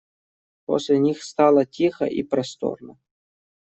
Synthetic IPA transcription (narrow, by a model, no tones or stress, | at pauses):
po̰sʲlʲɪnʲixst̪ɑlˠɐtʲixɐ̰ʔḭpɾɐst̪o̰rnɐ